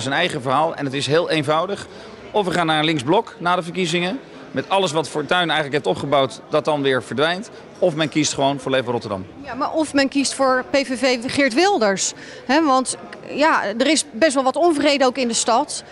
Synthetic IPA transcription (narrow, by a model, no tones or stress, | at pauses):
sənɛjχəvəɹɦaːlˠɛ̰nətɪsɦɪːlˠejnvɑwdəχ | ɔfʋəχaːnːaːɹənlɪŋzblɔknaːdəvəɹkizɪŋə | mɛtɑləs̬ʋɑtfʊːɹtœɥnɛjχənləkɦɛp̚tɔpχəbɑwtdɑt̚ɑnʋɪːɹvəɹdʋɛjnt | ɔfmɛnkistχəʋownvʊːɹlejvərɔtəɹdɑ̰mjamaːɹʔɔfmɛnkistfʊːɹpejvevejχɪɹtʋɪlˠdəɹs | ɦɛʋɑntjaːdərɪsbɛstʋɛlˠʋɑtɔnvrejdəowkɪndəstɑt